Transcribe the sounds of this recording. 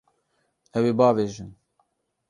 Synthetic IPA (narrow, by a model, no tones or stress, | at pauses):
ɛweːbɑːveːʒɨn